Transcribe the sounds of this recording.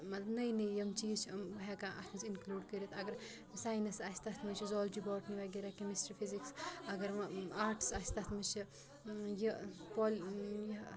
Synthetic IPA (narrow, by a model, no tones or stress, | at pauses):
mɐt̪lbnɐjnɐjɐmt͡ʃiːzt͡ʃʰmɦɛkaːʔɐ̰t̪ʰmɐt͡ʃʰinkluːɖkəɾit̪ʰɐɡɐɾ | saːjnɐsasʲt̪ɐt̪ʰmɐt͡ʃʰizɔːld͡ʒibɔːʈniʋaɡiɾakemisʈɐpʰiziksɐɡɐɾaːɾʈsasʲt̪ɐt̪ʰmɐt͡ʃʰi | jipɔːlji